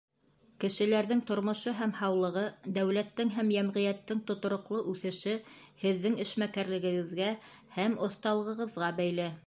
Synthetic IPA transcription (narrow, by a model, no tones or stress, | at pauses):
kɘ̆ʃɘ̆læɾðɘŋt̪ŏɾmŏʃoɦæmhɑwlˠɤ̆ʁɤd̪æwlæt̪ːɘŋɦæmjæmʁĭjæt̪ːɘŋt̪ŏt̪ŏɾŏqlˠɤʔʉθɘ̆ʃɘhɘ̆ðːɘŋɘ̆ʃmækæɾlɘ̆ɡɘ̆ɡɘ̆ðɡæ | hæmŏθt̪ɑlˠɤ̆ʁɤ̆ʁɤ̆ðʁɑbæjlɘ